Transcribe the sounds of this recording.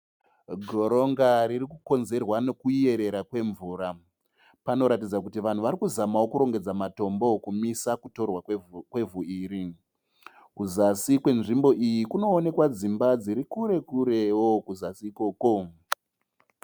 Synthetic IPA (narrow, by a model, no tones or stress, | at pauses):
ɡʱo̞ɾo̞ŋɡaɾirikuko̞nze̞rwano̞kuie̞ɾe̞ɾakwe̞ɱvuːɾa | pano̞ɾatid͡zakutiʋan̤uʋaɾikuzamawokuɾo̞ŋɡe̞d͡zamato̞mbo̞kumisakuto̞rwakwe̞vuiːɾi | kuzasikwe̞nʐimbo̞ʔijikuno̞ːne̞kwad͡zimbad͡ziɾikuɾe̞kuɾe̞wokuzasiːko̞ːko̞